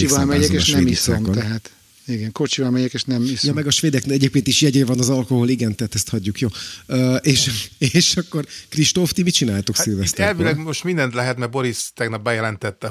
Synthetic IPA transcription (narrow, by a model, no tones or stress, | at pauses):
ivɒlmɛɟɛeːʃnɛmisomt̪ɛɦaːt̪ | iɡɛŋko̞t͡ʃivɒlmɛɟɛkeːʃnɛmisjɒmɛɡɒʃʋeːd̪ɛknɛɟeːp̚kʲeːnt̪iʃjɛɟeːvɒnɒzɒlko̞ɦoliɡɛnt̪ɛɦaːt̪ɛst̪hɒɟːukjoːøːʔeːʃeʃɒkːo̞rkriʃt̪oft̪imit͡ʃinaːjt̪okirvɛst̪ɛlvilɛɡmoʃt̪mind̪ɛnt̪lɛɦɛt̪mɛɾbo̞ɾist̪ɛɡnɒp̚bɛjɛlɛnt̪ɛt̪ːɛ